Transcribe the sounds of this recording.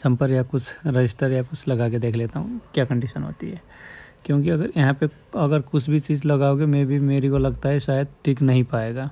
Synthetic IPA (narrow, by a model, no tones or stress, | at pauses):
sɐ̃mpɐɾjakʊt͡ʃʰɾed͡ʒɪsʈəɾjakʊt͡ʃʰlɐɡaːk̬ed̪eːkʰleːt̪aɦũkjaːkə̃ɳɖiʃənɦo̰ːt̪iɦɛː | kjõːkiɐɡəɾjɐɦãpe | ɐɡəɾkʊt͡ʃʰbʱit͡ʃiːzlɐɡaːoɡemɛ̃bʱimeːɾikolɐɡt̪aɦɛʃaːjəd̪̚ʈʰiknɐɦĩpaːeːɡaː